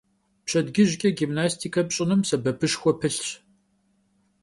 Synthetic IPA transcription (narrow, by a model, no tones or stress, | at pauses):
pɕʰɐdɡʲɪʑkʲʼɐɡimnaːstʰikʰɐpɕʼɪnɨmsɐbɐpʰɨʂxʷɔpʰɨɬɕ